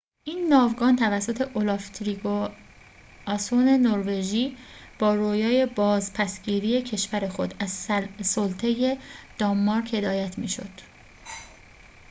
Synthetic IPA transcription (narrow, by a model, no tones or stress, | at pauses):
ʔiːnːɒːvɡɒːnt̪ʰævæsːot̪ʰe̞ʔolɑft̪ʰɾiɡo | ɒsone̞noɾve̞ʒiːb̥ɒːɾojɒːje̞bɒːzpʰæsɟiːɾije̞cʰe̞ʃvæɾe̞xo̞d̪æzsolt̪ʰeje̞d̪̥ɒmːɒɾkhe̞d̪ɒːjæt̪ʰmḭːʃo̞̰d̪̥